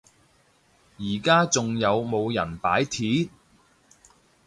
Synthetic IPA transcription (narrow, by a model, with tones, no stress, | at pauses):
jiː˨˩kaː˥t͡sʊ˨ŋjɐ˨˧wmo˨˧wjɐ̰˨˩npa̰ː˨˥jt̪ʰiː˨˥